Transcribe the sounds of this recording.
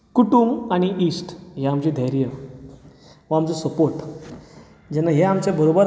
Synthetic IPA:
kuʈumaɽ̃iʔiːsʈɦeamt͡ɕid̪ʱəajɾijə | ʋəamt͡sɔsəpoɾʈ | d͡ʑɛnaɦeamt͡ɕebəɾobəɾ

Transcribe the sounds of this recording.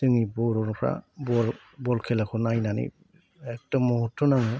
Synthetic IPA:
d̥ɯŋibɔɾɔnɔpʰɾa̰bɔɾ | bɔlkʰelakʰɔnajnanḭ | ɛk̚dɔmːɔɦutʰːɔnaŋɯ

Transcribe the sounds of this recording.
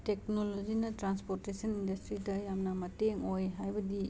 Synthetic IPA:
teknolod͡ʒinɐtɾanspoɾtesʰɐnindɐstɾidɐjamnɐmɐteŋojɦajbɐdi

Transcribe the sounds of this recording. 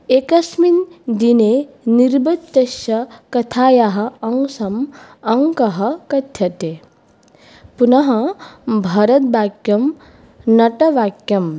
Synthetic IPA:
ekɐsmind̪ine | niɾbɐt̪ːɐʃɐkɐt̪ʰaːjaɦɐ̆ɐŋsɐmɐŋkɐɦɐkɐt̪ʰjɐt̪e | punɐɦɐbʱɐɾɐt̪̚baːkjɐm | nɐʈɐʋaːkjɐm

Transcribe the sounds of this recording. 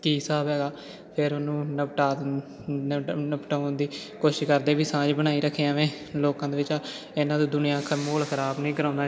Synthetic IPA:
kiːsaːbɦɛːɡaː | pʰɪɾʊnũːnəpʈaː | əpʈaːnd̪iːkoːʃɪʃkəɾd̪eːʋiːsãːd͡ʒbənaːiːɾəkʰːeːãːʋẽː | loːkãːd̪eːʋɪt͡ʃa | ɪnãːd̪õːd̪ʊnijãːkʰəmoːlkʰəɾaːbnĩːkəɾãːnd̪aː

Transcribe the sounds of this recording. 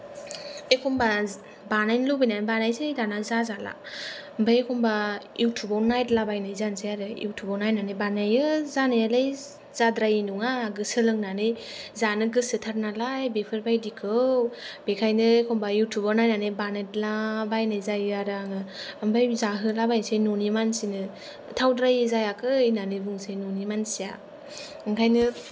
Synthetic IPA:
ekʰɔmba | banajnlobinanbanajsejdanazazala̰mbajekʰɔmbajʔuwtʰubawnajtlabajnɯjzansʰajaɾɯjḭwtʰubawnajnanɯjbanajɯzanɯjalaj | z̥adɾajinuŋaɡɯsɯlɯŋnanɯj | zanɯɡɯsɯtʰaɾ̚nalajbepʰɯɾbajdikʰɯwb̥ekʰajnɯkʰɔmbajiwtʰubawnajnanɯjbanajtlabajnajzajɯaɾaŋɯambajzaɦɯlabajnsejnonimansinɯ | tʰawdɾajɯzajakʰɯnanɯjbuŋsajnonimansija | ɯŋkʰajnɯ

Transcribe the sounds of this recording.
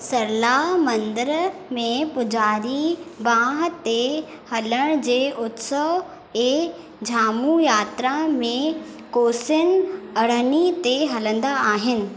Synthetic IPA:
sɐɾlamɐ̃nd̪əɾmẽpʊd͡ʑaːɾibãːɦə̆t̪e | hɐləɽ̃d͡ʑeːʔʊt̪sə | eː | d͡ʑʱaːmujaːt̪ɾamẽ | koːsənɐɽ̤ənit̪eɦɐlə̃nd̪aaːɦɪnɪ̆

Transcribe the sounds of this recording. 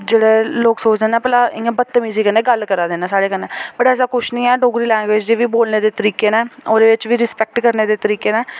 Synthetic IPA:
d͡ʒeːɽeːloːksoːt͡ʃd̪eːnɛ̃ːpəlaːɪẽːbət̪ːmiːziːkəneːɡəlkəɾaːd̪eːnaːsaːɽeːkənẽːbəʈɛːs̬aːkʊʃʰnĩːɛːɖoːɡɾiːlɛ̃ːŋɡʋeːd͡ʒd̪eːʋiːboːlneːd̪eːt̪əɾiːkeːnɛ̃ːoːd̪eːʋɪt͡ʃʋiːɾɪspɛk̚ʈkəɾneːd̪eːt̪əɾiːkeːnɛː

